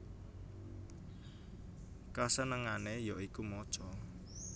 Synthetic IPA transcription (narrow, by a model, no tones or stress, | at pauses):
kasənəŋanejɔikumɔt͡ʃɔ